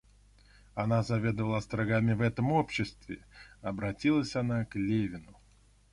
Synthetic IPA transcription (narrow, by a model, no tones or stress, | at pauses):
ɐnazɐvʲe̞d̪əvəlˠəst̪ɾɐɡamʲɪvɛt̪əmo̞pɕːɪst̪vʲɪ̰ɐbɾɐtʲilˠəsʲɐnaklʲevʲɪnʊ